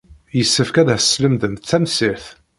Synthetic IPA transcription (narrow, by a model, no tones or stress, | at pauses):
jəsːəfkæðæsːləmðənt͡sːæmsiɾθ